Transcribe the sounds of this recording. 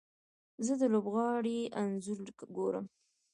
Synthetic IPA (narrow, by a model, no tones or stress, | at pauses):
zəd̪əlobɣɑɽiʔanzʊɾlkɡoɾə̰m